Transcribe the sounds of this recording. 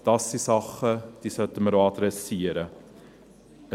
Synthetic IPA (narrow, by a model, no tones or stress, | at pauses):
d̥ɐsdisɐχəd̥isɐtəməɾɑːtɾəsiəɾə | ə